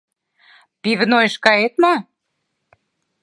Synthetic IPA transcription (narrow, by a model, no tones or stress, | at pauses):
piβənojəʃkɑjet̪mɑ